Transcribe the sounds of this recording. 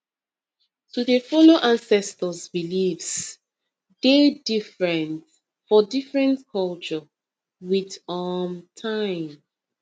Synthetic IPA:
tuðefɔloʔãnsɛstəzbilivs | dedifɹɛ̃nt | fɔdifɹɛ̃ntkʰɔlt͡ʃɔ | widamtʰãɪ̃m

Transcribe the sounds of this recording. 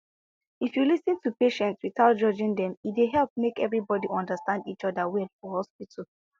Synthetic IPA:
ifjulisĩntupeʃɛ̃ntswiθaʊt̚d͡ʒɔd͡ʒĩŋdɛ̃mideɦɛlp̚mekɛvɹibɔdiʔɔ̃ndəstãndit͡ʃɔdəwɛlˠfɔhɔspitʰəl

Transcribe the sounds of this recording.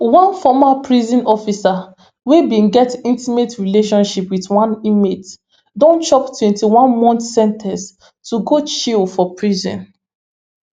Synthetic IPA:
wãnfɔmapɹizĩnɔfisa | webĩnɡɛtĩntimetɹileʃɔ̃nʃipwiθwãnimet | dɔ̃nt͡ʃɔptwɛ̃ntiwãnmɔ̃ntsɛ̃ntʰɛ̃s | tuɡot͡ʃilfɔpʰɹizɛ̰̃n

